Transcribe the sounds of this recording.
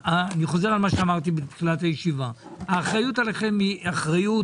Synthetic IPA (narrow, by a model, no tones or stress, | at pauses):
aniχo̞ze̞ʁalmaʃeamaʁt̪ibet̪χilathajeʃivaaːχʁajutaleχe̞miaχʁaju